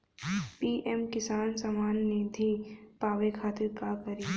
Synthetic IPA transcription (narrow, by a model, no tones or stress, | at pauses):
piːʔɛmkɪsaːnsamaːnːed̪ʱipaːʋekʰaːt̪ɪɾkakɐɾiː